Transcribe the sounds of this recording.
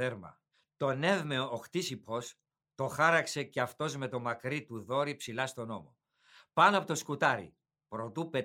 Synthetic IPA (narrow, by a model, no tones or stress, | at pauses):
eɾmɐ̰ | t̪o̞ne̞vmeooxt̪isipo̞s | t̪o̞xɐɾɐkse̞ceɐft̪o̞zme̞t̪o̞mɐkɾit̪uðo̞ɾipsilɐst̪o̞no̞mo̞̰ | pɐnoɐpo̞t̪oskut̪ɐɾḭ | pɾo̞t̪upe